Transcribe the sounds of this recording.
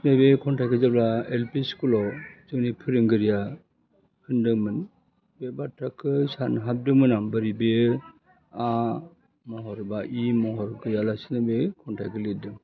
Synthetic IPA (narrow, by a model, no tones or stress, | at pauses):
nɯbekʰɔntakɯzablaelpiskulɔzɯnipʰɯɾɯŋɡɯɾija | hɯndɯmɯn | bebatʰːakʰɯsanɦap̚dɯmɯnambɯɾibe | a | mɔɦɔɾbaʔimɔɦɔɾɡɯjalasinɯbekʰɔntʰa̰jkʰɯledɯŋ